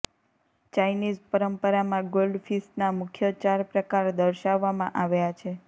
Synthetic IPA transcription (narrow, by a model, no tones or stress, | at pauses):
t͡ʃajnid͡ʒpəɾəmpəɾamãɡolɖfisʈnamʊkʰjət͡ʃaɾpɾəkaɾd̪əɾʃaʋːamãʔaʋjat͡ʃʰe